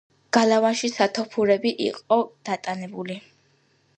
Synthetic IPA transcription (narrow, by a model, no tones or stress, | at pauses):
ɡ̥alˠavanʃisat̪ʰɔpʰuɾɛbiʔḭqʼɔd̪̥at̪ʼanɛbuli